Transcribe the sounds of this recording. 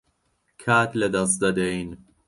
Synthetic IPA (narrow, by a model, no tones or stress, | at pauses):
kʰæt̪led̪ɒs̬d̪ɒd̪ein